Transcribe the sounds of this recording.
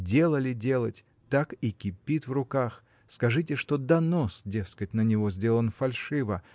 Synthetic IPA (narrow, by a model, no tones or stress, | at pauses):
dʲe̞lˠəlʲɪdʲe̞lˠətʲ | t̪akikʲɪpʲit̪vrʊkax | skɐʐɨtʲɪʂt̪od̪ɐnosdʲe̞skət̚ʲnənʲɪvo̞zʲdʲe̞lˠənfɐlʲʂɨvə